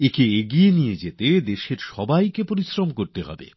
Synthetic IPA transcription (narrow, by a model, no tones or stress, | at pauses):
ekeeɡienijed͡ʑet̪ed̪eʃeɾʃɔbajkepoɾisɾomkoɾt̪eɦɔ̰bḛ